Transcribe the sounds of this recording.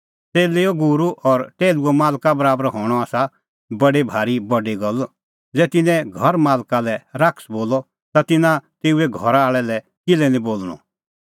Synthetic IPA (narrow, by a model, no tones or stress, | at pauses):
t͡seːleɔɡʊɾuʔɔɾʈeːluɔmaːlkabəɾaːbɾɔɦɔːɽ̃ɔaːsa | bɐɖebʱaːɾibɐɖiɡɔl | d͡zɛːt̪ɪnɛ̃ɡʱɐɾmaːlkalɛɾaksboːlɔ | t̪at̪ɪnãt̪eːuɛɡʱɔɾaaːɭɛlɛ | kɪlɛnĩboːlɽ̃ɔ̰̃